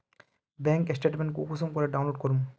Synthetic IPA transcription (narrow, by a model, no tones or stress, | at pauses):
bẽːŋkesʈeːʈmẽɳʈkukusɔmkɔɾeɖaw̃nloːɖkɔɾum